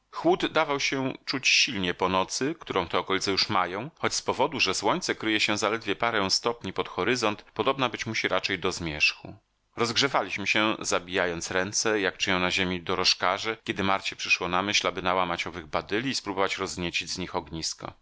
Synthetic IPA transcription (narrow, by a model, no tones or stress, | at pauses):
xwud̪ːavawɕɛt͡ʂut͡ɕɕilɲɛpɔnɔt̪sɘkt̪uɾɔ̃w̃t̪ɛɔkɔlʲit̪sɛjuʂmajɔ̃w̃xɔt͡ɕspɔvɔd̪uʐɛswɔɲt̪sɛkɾɘjɛɕɛzalɛd̪vʲjɛpaɾɛw̃st̪ɔpɲipɔt̪xɔɾɘzɔnt̪pɔd̪ɔbnabɘt͡ɕmuɕiɾʔat͡ʂɛjd̪ɔzmʲjɛʂxṵ | ɾɔzɡʐɛvalʲiɕmɘɕɛzabʲijajɔnt̪sɾɛnt̪sɛjakt͡ʂɘjɔ̃w̃naʑemʲid̪ɔɾɔʂkaʐɛkʲɛd̪ɘmaɾt͡ɕɛ̥pʂɘʂwɔnamɘɕlabɘnawamat͡ɕɔvɘɣbad̪ɘlʲiːspɾubɔvat͡ɕɾɔzɲet͡ɕid͡ʑzɲixɔɡɲiskɔ̰